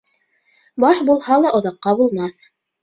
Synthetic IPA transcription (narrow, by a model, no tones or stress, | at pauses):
bɑʃbulˠhɑlˠɑʔŏðɑqːɑbulˠmɑθ